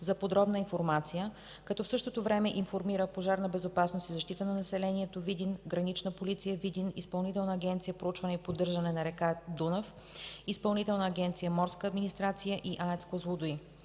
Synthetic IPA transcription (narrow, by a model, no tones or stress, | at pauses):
zɐpod̪ɾɔbnəinfoɾmat̪sijə | kɐt̪ɔfsɤʃt̪ot̪ovɾɛmɛʔinfoɾmiɾəpoʒaɾnəbɛzopasnost̪izɐʃt̪it̪ənɐnɐsɛlɛniɛt̪ovid̪inɡɾɐnit͡ʃnəpolit̪sijəvid̪inispɐlˠnit̪ɛlˠnəːɡʲɛnt̪sijəpɾout͡ʃvɐnɛipod̪ːɤɾʒɐnɛnɐɾɛkad̪unəf | ispɐlˠnit̪ɛlˠnəːɡʲɛnt̪sijəmɔɾskəːd̪minist̪ɾat̪sijəʔiʔaɛt̪skozlˠod̪ʊi